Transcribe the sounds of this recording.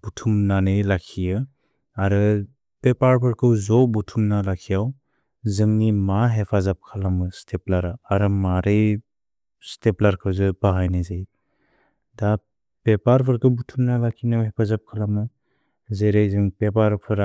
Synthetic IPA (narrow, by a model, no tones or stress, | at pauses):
b̥utʰumnanɯjlakʰijɯ | aɾɯ | pepaɾpʰɯɾkʰɯwzɔbutʰumnalakʰijaw | zɯŋnimaɦepʰazap̚kʰalamɯstʰeplaɾaaɾɯmaɾej | steplaɾkʰɯwzɯbaɦajnazaj | da | pepaɾpʰɯɾkɯwbutʰumnalakʰinawɦepʰazap̚kʰalamɯ | zeɾejzɯŋpepaɾpʰɯɾa